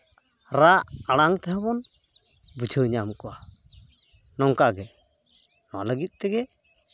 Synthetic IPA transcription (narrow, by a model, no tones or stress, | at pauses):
ɾaʔaɽaŋt̪ɛɦɛbɔn | bud͡ʒʰəɲamkɔwa | nɔŋkaɡɛ | nɔaləɡit̪̚ˀt̪ɛɡɛ